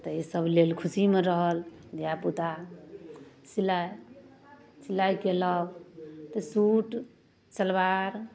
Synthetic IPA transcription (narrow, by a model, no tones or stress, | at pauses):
t̪əisəblelkʰusimeɾəɦəld̪japut̪a | silaj | silajkeləbt̪əsuʈ | t͡ʃəlbaɾ